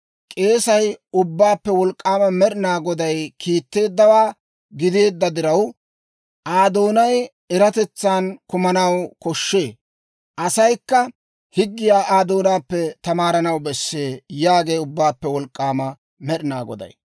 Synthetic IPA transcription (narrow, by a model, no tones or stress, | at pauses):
kʼe̞ːsɐjʊbːaːpːɛwɔlkʼːaːmɐmɛɗɪnaːɡɔd̪ɐjkʰiːt̪ːe̞ːd̪ːɐwaː | ɡɪd̪e̞ːd̪ːɐd̪ɪɾɐw | ʔaːd̪o̞ːnɐj | ɛɾɐt̪ɛt͡sːaːnkʊmɐnɐwkɔʃːe̞ː | ʔɐsɐjkːɐ | hɪɡːɪjaːʔaːd̪o̞ːnaːpːɛt̪ɐmaːɾɐnɐwbɛsːeːjaːɡe̞ːjʊbːaːpːɛwɔlkʼːaːmɐ | mɛɗɪnaːɡɔ̰d̪ɐ̰j